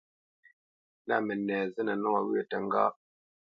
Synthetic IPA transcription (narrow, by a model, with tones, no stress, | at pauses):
na˦˨mɛ˨nɛː˨zɨ˦na˨nɔ˦a˨wʉ˦ə˦˨tə˨ŋ˦ɡa̰˦